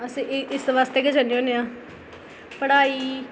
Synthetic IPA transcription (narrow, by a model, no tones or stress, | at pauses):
əsĩːɪʔɪsʋaːst̪eːkeːd͡ʒaneoːneãː | pəɽaːiː